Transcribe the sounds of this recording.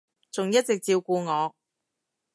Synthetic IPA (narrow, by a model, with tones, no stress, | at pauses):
t͡sʊ˨ŋjɐ˥t̚t͡sɪ˨k̚t͡siː˧wkuː˧ŋɔː˨˧